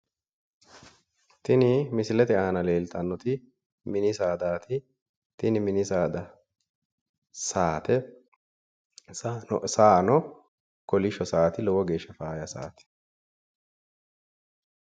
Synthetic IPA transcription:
t̪ɪnɪmɪsɪlɛt̪ɪʔaːnɐle̞ːlt̪ʼɐnːɔt̪ɪ | mɪnɪsaːd̪aːt̪ʰɪ | t̪ɪnɪmɪnɪsaːd̪ɐ | saːt̪ɛ | saːnɔ | kɔlɪʃɔsaːt̪ɪlɔwɔɡe̞ːʃːɐfaːjɐsa̰ːt̪ɪ̥

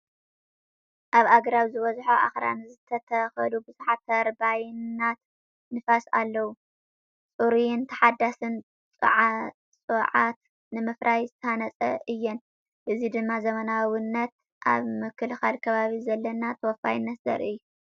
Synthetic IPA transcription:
ʔaβaɡɾaβzɨβɐzħoʔa̰xɾa̰nɨzɨt̪ʰɐt̪ʰɐxɐlubɨzuħat̪ʰːɐɾbajnːat̪ | nɨfasa̰lːɐwu | t͡sʼuɾujnt̪ʰɐ̥ħad̪ːasɨn | t͡sʼɨ̰ʕa | t͡sʼɨʕat̪ | nɨmɨfɾʔajzɨt̪ʰɐanɐt͡sʼɐ̰ʔɨjːɛn | bɨzid̪ɨmːazɐmɐnawɨnːɐt̪ | ʔa̰βmɨkʰːɨlxalkʰɐβaβizɐlːɐnat̪ʰɐwɔfa̰jɪnːɐt̪zɐ̰ɾɨjːu

